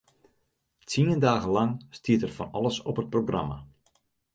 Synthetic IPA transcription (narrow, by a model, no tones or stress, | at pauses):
tʰiəndaːɣəlɑŋstʰiətɛrfɔnɑ̰lˠəsɔpət̚proɡrɑ̰ma̰